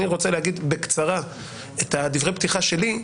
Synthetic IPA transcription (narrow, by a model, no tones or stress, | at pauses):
iʁo̞t͡seleaɡid̪bekt͡saʁa | et̪ad̪ivʁejpt̪iχaʃe̞li